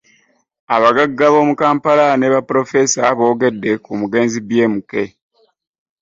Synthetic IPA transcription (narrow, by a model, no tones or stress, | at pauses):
aβaɡaɡːaβo̞ːmukaːmpalane̞βapɾo̞fe̞saβo̞ːɡe̞dːe̞kumuɡe̞ːnzibje̞ːmuke̞